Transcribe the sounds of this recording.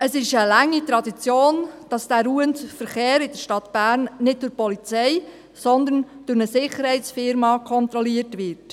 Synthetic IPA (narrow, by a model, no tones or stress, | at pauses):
əsɪʃəlæŋːitɾɑdit͡sjoːnd̥ɑsd̥æɾuːəntfəɾχeːɾɪd̥əɾʃtɑt̪b̥æːɾnnɪd̚dʊɾpɔlit͡sɛj | sɔnd̪ənd̥ʊɾnəsɪχəɾhɛɪtsfɪɾmɑkʰɔnt̪ɾɔliəɾtʋɪrt